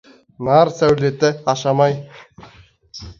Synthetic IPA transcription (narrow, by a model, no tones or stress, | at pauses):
nɑɾsæwlet̪ɪɑʃɑmɑj